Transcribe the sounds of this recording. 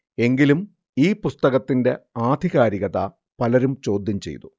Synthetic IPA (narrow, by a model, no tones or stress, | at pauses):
e̞ŋɡilum | iːpust̪ɐɣɐt̪ːinde̞aːd̪ʱiɣaːɾiɣɐt̪ɐ̰ | pɐlɐɾumt͡ɕo̞ːd̪ʱjɐmt͡ɕejt̪u